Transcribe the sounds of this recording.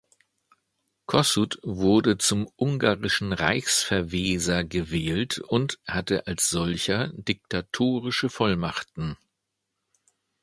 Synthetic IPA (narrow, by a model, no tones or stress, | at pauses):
kʰɔsutvʊɐdət͡sʊmʔʊŋɡaːʁɪʃn̩ʁa̰ɪçsfɛɐveːzɐɡəvɛːltʊnthatəʔalsz̥ɔlçɐdɪk̚tʰatʰoːʁɪʃəfɔlmaχtn̩